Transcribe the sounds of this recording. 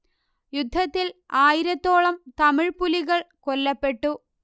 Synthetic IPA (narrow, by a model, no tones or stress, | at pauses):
jud̪ʱːɐt̪ːilaːjiɾɐt̪ːo̞ːɭɐmt̪ɐmɪɻpuliɣɐɭkolːɐpːe̞ʈːu